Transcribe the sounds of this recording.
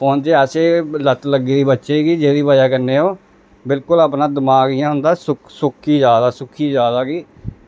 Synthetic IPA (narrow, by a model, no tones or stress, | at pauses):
pʰoːnd͡ʒeːəseːlət̪ləɡeːiːbətːʃeːɡiːd͡ʒeːɾiːbaːjaːkənːeːoː | bɪlkʊlaːpnãːd̪əmaːɡiːãːɦʊ̃nd̪aːsʊksʊkʰiːd͡ʒjaːd̪aːsʊkʰiːd͡ʒjaːd̪aːɡiː